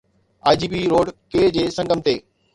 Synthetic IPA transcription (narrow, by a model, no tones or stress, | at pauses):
aːɪd͡ʑiːpiɾoːɖkeːd͡ʑeːsɐ̃ŋɡəmt̪eː